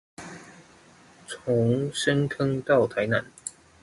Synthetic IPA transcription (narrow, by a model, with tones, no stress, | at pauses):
t͡sʰʊ˨˦ŋʂə˦nkʰə˦ŋt̪ɑ˥˨ʊt̪ʰa˨˧˦ɪna˨˦n